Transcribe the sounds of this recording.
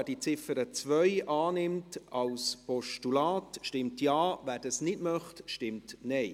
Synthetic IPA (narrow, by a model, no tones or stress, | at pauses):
æd̥it͡sɪfəɾət͡sʋœʏʔɑːnɪmtɑlspɔʃtulaːtʃtɪmtjɑːvæːɾdɑsnɪdmœχtʃtɪmtnɛɪ